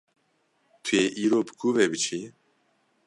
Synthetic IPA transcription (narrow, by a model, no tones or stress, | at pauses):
t̪ʰujeːʔiːɾoːbɨ̥kʰuːveːbɨt͡ʃʰi